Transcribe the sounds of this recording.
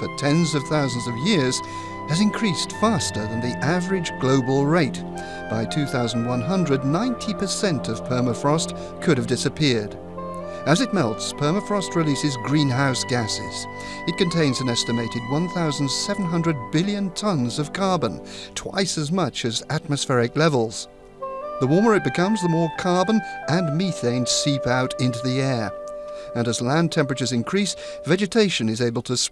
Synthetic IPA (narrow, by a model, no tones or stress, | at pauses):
fə˞tʰɛ̃nzʌv̥θaʊzn̩zʌvjɪɹz̥ | ɨzɨ̃nkʰɹ̥istfæstə˞ðɨ̃nðiʔævə˞ɨd͡ʒɡloʊbl̩ˠɹeɪt | b̥aɪtʰʉθaʊzn̩d̚wʌ̃nɦʌ̃ndɹɨdⁿnãɪ̃ntʰipʰə˞sɛ̃ntʌv̥pʰɜ˞məfɹɔst | kʰʊɾɨvdɪsɨpʰɪɹɾ | ɨzɨt̚mɛlˠtspʰɜ˞məfɹɔst̚ɹilisɨzɡɹĩnɦaʊsɡ̥æsɪ̰z̥ | ɨt̚kɨ̃ntʰẽɪ̃nzɨ̃nɛstɨmeɪɾɨd̚wʌ̃nθaʊzn̩d̥sɛṽn̩ɦʌ̃ndɹɨd̚bɪlˠjɨ̃ntʰʌ̃nzʌv̥kʰɑɹbə̃ntʰw̥a̰ɪsɨzmʌt͡ʃɨzæt̚mɨsfɛɹɨklɛvl̩ˠz̥ | ðəwɔɹmə˞ɨt̚b̥ɨkʰʌ̃mzðəmɔɹkʰɑɹbə̃nɨ̃nmiθẽɪ̃n̥sipaʊɾɪ̃ntʉðiɛɹ | ɨ̃nɨzlæ̃ntʰɛ̃mpɹɨt͡ʃə˞zɨ̃nkʰɹ̥is | vɛd͡ʒɨtʰeɪʃɨ̃nɨzeɪbəl̩ˠtʰɨs